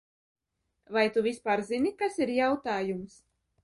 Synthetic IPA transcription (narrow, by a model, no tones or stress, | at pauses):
vajt̪uvʲispaːɾzinikasiɾjawt̪aːjums